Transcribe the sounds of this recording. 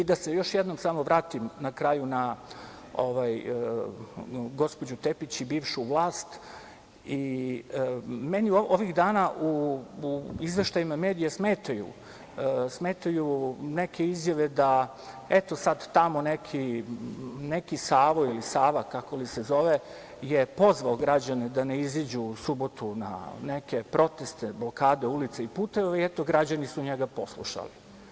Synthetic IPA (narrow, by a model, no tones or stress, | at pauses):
id̪asejo̞ʃjed̪nomsamo̞ʋɾaːt̪imnakɾajuna | oʋaj | ɡo̞spod͡ʑut̪e̞pit͡ɕibiːʋʃuʋlˠaːst̪ | i | meniooʋiɣd̪aːnaʔu | izʋe̞ʃt̪ajimame̞ːd̪ijasme̞ːt̪ajṵ | sme̞ːt̪ajunekʰe̞izjaʋe̞d̪a | et̪o̞sad̪t̪amo̞nekʰi | nekisaːʋoilisaːʋakako̞lisezoʋe | jepo̞zʋaoɡɾad͡ʑaned̪aneizid͡ʑusubo̞t̪una̰neke̞pɾo̞t̪est̪eblo̞kaːd̪eulit̪seipuːt̪eʋʋaiɛt̪oɡɾad͡ʑanisuɲeɡapo̞slˠṵʃa̰lḭ